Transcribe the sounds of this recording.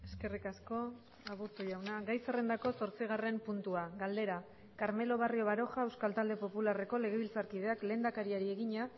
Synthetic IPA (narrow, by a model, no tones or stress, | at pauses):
e̞ske̞rikasko̞ | aβ̞ust̪uʝawnaɡajsere̞nd̪ako̞so̞ɾt͡siɣ̞are̞mpunt̪uaɣɡald̪e̞ɾa | kaɾme̞lo̞β̞ario̞βaɾo̞xae̞wskalt̪ald̪e̞po̞pulare̞ko̞le̞ɣ̞e̞βilt͡saɾkiðe̞akle̞ːnd̪akaɾiaɾie̞ɣiɲa